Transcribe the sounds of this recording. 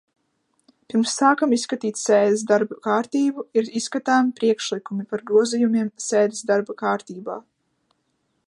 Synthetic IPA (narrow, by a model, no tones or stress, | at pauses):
piɾmsːaːkamisːkat̪iːt̪sɛːd̪ɪs̬d̪aɾbakaːɾt̪iːbuiɾisːkat̪aːmipɾiɛkʃlikumipaɾɡɾuɔzijumiɛmsɛːd̪isd̪aɾbakaːɾt̪iːbaː